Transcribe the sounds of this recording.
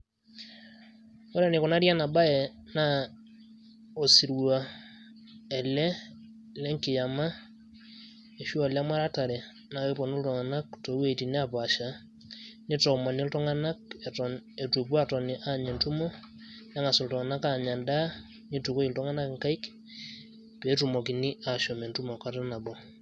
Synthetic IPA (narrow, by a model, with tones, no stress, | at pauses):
ɔ˦ɾɛ˦˨nɪ˨kɔ˨na˦ɾja˦na˨ba˦ɛ˨na˦ | o˨si˨ɾwa˨ | ɛ˨lɛ˦ | lɛ˦ŋkɪ˨ja˨ma˦ | e˨ʃu˦a˨la˦ma˦ɾa˦ta˨ɾɛ˨ | na˨e˦pɔ˨ni˦ltɔ˨ŋa˨na˦k̚to˨ɾwe˦˨ti˨ne˦a˨pa˨ʃa˨ | ni˦tɔ˨ma˨ni˦ltɔ˦ŋa˦na˦k̚e˨tɔne˨tu˨p̬u˦a˦tɔ˨ni˨ʔa˦ɲɛ˨ntu˦mɔ˦ | la˦ŋa˨sɔ˨ltɔ˨ŋa˨na˦ka˨ɲa˨nda˦ | ni˦tu˨ko˦i˨ltɔ˦ŋa˦na˦kŋka˦i˦k | pɛ˨˦tu˨mo˨ki˨ni˦a˨ʃɔ˨mɛ˨ntu˦mɔ˨ka˦ta˦na˨bɔ˨